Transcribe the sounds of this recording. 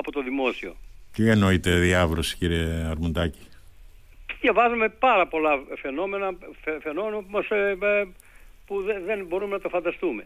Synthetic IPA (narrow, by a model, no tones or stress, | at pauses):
ɐpot̪oðimo̞sio̞̰t̪ieno̞it̪e̞ðiɐvɾosi̥ciɾieɐɾmund̪ɐci̥ | ðjɐvɐzume̞pɐɾɐpo̞lɐfe̞no̞me̞nɐfefe̞no̞me̞nɐpumɐs | puðeðenbo̞ɾume̞nɐt̪ofɐnd̪ɐst̪ume̞